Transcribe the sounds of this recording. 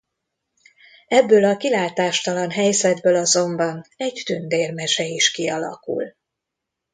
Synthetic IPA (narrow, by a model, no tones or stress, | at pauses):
ɛbːøːlɒkilaːt̪aːʃt̪ɒlɒnɦɛjzɛd̪bøːlɒzo̞mbɒnɛɟt̪ynd̪eːrmɛʃɛiʃkiɒlɒ̰kṵl